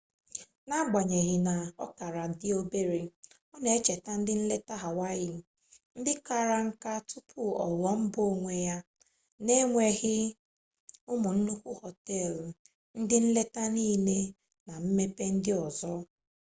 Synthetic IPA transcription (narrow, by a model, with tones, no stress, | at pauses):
na˦ɡ͡ba˨ɲe˨ɣɪ˨na˨ɔ˦ka˨ɾa˨dɪ˦o˦be˦ɾe˨ | ɔ˦ne˨e˦t͡ʃe˨ta˦n̩˦dɪ˦n̩˦le˦ta˦ɦa˨wa˦jɪ˨ | n̩˦dɪ˦ka˦˨ɾa˨ŋ̩˦ka˦tʊ˦pʰʊ˦ɔ˨lɔ˨m̩˦bo˦ŋʷe˨ja˦ | ne˦ŋʷe˨˦ɣɪ˦ | ʊ˦mʊ˨n̩˦nu˦kʷu˦hɔ˨tɛ˦˨l | n̩˦dɪ˦n̩˦le˦ta˦niː˦ne˦ | na˨m̩˦me˦pe˦n̩˦dɪ˦ɔ˨zɔ˦